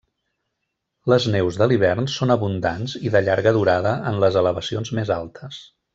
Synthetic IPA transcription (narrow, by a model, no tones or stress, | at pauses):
ləznɛwzðəliβ̞ɛrnsonəβund̪anziðəʎaɾɣəðuɾaðəʔənləzələβəsionzmezalˠt̪ʰəs